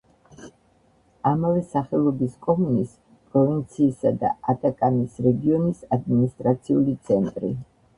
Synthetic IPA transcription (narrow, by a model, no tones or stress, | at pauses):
amavɛsaχɛlˠɔbiskʼɔmunis | pʼɾɔvint̪sʰiːsad̪a̰at̪ʼakʼanisɾɛɡiɔnisad̪minist̪ʼɾat̪sʰiulit̪sʰɛnt̪ʼɾḭ